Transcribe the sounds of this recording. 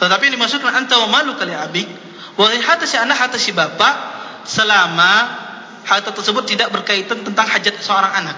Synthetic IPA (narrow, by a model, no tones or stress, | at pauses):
t̪ət̪apindimasukanənt̪awamalukaliabɪk̚ | waliɦat̪asianakɦat̪asibapaʔ | səlama | hat̪at̪ərsəbʊt̪ːidak̚bərkait̪ant̪ənt̪aŋhad͡ʒat̪̚səoɾaŋanak̚